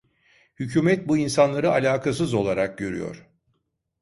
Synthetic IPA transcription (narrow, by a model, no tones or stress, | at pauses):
hycʰyːmɛt̪̚buinsanlˠaɾɯalʲaːkʰas̬ɯzo̞lˠaɾak̚ɟøɾy̰jo̰ɾ̥